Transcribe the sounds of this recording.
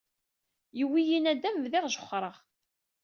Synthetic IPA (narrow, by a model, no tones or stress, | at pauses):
jəwːijinæd̪æmvðiʁʒə̥χːɾˤəʁ